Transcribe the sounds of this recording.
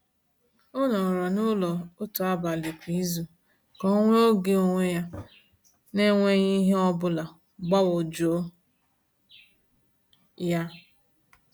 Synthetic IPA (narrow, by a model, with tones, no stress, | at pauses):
o˦nɔ˨ɾɔ˨nʊ˦lɔ˨o˦to˨a˦ba˨le˨kʷi˨˦i˦zu˨ | kɔ˦ŋʷe˦o˦ɡe˦o˨ŋʷe˦ja˦ | ne˦ŋʷe˦ɲi˦ɦe˦ɔ˦bʊ˦la˨ | ɡ͡bɔ˦wo˨d͡ʒo˦ | ja˦